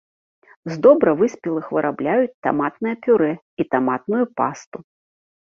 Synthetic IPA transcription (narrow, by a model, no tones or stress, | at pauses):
zd̪ɔbɾɐvɨsʲpʲilˠɨxvɨɾʔablʲajut͡sʲt̪a̰mat̪nɨjɐpʲuɾɛ | it̪amat̪̚nujupast̪u